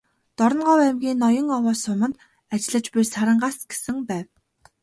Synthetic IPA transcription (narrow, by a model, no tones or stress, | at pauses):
t̪ɔɾɞ̆nɢɔwæmɡʲiːnːɔjɞ̆ŋɔwɔːsʊmə̆nt̪ | at͡ɕ̆ɮə̆t͡ɕpirsaɾə̆ɴɢasɡ̥e̥sɘ̆ŋpæːw